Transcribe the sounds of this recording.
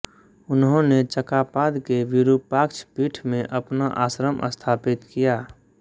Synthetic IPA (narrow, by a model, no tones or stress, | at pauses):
ʊnɦõnet͡ʃəkaːpaːd̪keʋɪɾupaːkt͡ʃʰpiːʈʰmẽʔɐpnaʔa̰ːsɾəmʔə̰st̪ʰaːpɪt̪kijaː